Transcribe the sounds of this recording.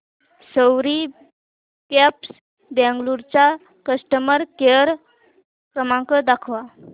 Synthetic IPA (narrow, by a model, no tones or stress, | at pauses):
səwɾi | kɛps | bɛ̃ŋɡluɾt͡ɕa | kəsʈəməɾkeəɾ | kɾəmãŋkəd̪akʰʋa